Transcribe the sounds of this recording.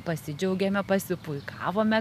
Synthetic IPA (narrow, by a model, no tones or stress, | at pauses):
pɐsʲɪd͡ʒʲɛʊɡʲɛːmʲɛpɐsʲɪpʊɪkɑ̰ːʋoːmʲɛ